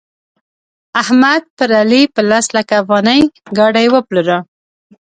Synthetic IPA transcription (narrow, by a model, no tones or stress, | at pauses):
ahmad̪̚pəɾalipəlaslakaːfɣɑnəjɡɑɖajwəpluɾə